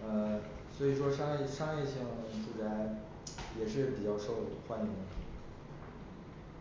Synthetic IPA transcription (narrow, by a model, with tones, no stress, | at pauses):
ə˧ | swɔ˧˥i˨˩ʂwɔ˥ʂɑ˥ŋjɛ˥˩ʂɑ˥ŋjɛ˥˧ɕi˥˩ŋŋʈ͡ʂu˥˩ʈ͡ʂa˧˥ɪ | jɛ˨˩ʂ̬ɻ̩˥˩pi˨˩t͡ɕjɑ˥˧ʊʂo˥˩ʊxwa˥ni˧˥n